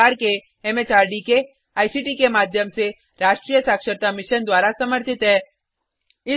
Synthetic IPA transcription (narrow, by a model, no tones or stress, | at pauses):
aːɾke | ɛmeːt͡ʃaːɾɖike | aːisiːʈikemaːd̪ʱjəmse | ɾaːʃʈɾijəsaːkʃəɾt̪amɪʃənd̪waːɾasɐməɾt̪ɪt̪ɦɛː | ɪ